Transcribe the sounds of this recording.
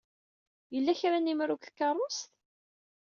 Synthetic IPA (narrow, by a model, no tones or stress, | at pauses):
jəlːæçɾænimɾʊkθkːɑrˤʊst̪